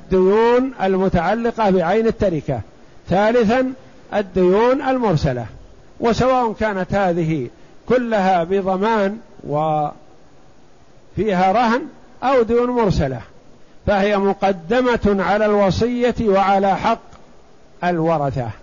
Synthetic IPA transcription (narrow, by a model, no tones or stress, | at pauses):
ʔad̪ːʊjuːnalmʊt̪aʕalːɪqɑbɪʕajnɪt̪ːaɾɪka̰ | θaːlɪθan | ʔad̪ːʊjuːnʔalmʊɾsala̰ | wʔɪsawaːʔʊnkaːnat̪haːðɪɦɪkʊlːaɦabɪðˤɑmaːnwa | fiːɦaɾˤɑɦn | ʔawd̪ʊjuːnmʊɾsala̰h | fahɪjamʊqɑd̪ːɪmaʕalaːlwɑsˤɨjːawaʕalaːħɑqː | ʔalwɑɾˤɑθa̰